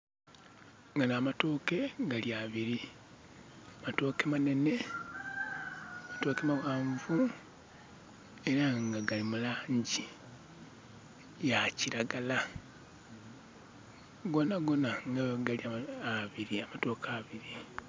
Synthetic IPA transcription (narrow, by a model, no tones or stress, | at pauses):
ŋɡanaːmatoːke̞ɡaliaβiɾi | amato̞ːkemane̞ne̞ | amato̞ːke̞mawaːɱvu | e̞ɾaŋɡaɡalimulaːɲɟi | jaciɾaɡala | ɡo̞naɡo̞naŋɡaɡaliaaβiɾiamato̞ːkʰaːβiɾi